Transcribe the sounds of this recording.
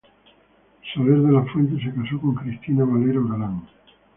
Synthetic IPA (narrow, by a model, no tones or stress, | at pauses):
saβeɾðelafwent̪̬es̬ekasoko̞ŋkɾist̪inaβaleɾoɣalaŋ